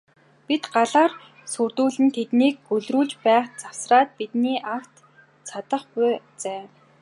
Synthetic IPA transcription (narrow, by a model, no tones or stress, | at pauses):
pit̪ɢaɮaːr | surt̪uːɮɘ̆nt̪ʰet̪niːk̚ːɵɮruːɮt͡ɕpæːχt͡saw̥sraːt̪̚pit̪niːʔaw̥t̪ | t͡sʰat̪ə̆χpʊ | t͡sæː